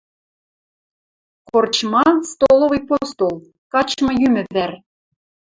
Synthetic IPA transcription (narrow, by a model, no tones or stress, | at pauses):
kort͡ɕmɑst̪olˠovɤjpost̪olˠ | kɑt͡ɕmɤ̆jymɘ̆vær